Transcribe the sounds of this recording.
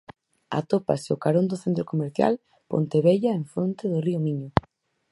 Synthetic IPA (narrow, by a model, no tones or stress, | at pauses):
a̰t̪opa̰seʊkaɾond̪ʊθent̪ɾokomeɾθja̰l | po̰nt̪eβeʎaeɱfɾont̪eðʊriʊmiɲʊ